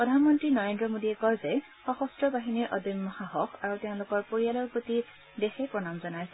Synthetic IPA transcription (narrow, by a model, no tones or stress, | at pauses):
pɹɔdʱanmɔntɹinɔɹendɹɔmodiɛkɔɹzɛ | xɔxɔstɹɔbaɦiniɹʔɔ̰dimːɔhaɦɔxaɹuteʊ̃lʊkɔɹpoɹijalɔɹpoti | dexɛpɹɔnamzɔnajsɛ